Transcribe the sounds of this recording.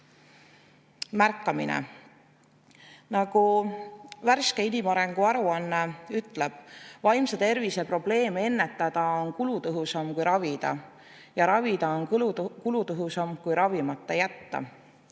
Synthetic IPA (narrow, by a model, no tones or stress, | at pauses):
mærkːˑɑminḛ | nɑɡ̥u | værskeinimɑɾe̞ŋɡ̥uɑɾuɑnːeyt̪ˑle̞b̥̚vɑjmsɑt̪e̞rvise̞pro̞ble̞ːmee̞nːe̞t̪ːˑɑd̪̥ɑonkulut̪ɤɦusɑmkujɾɑvid̪̥ɑ̰ | jɑɾɑvid̪ɑonkulut̪ɤɦusɑmkujɾɑvimɑt̪ːˑɑjæt̪ːɑ̰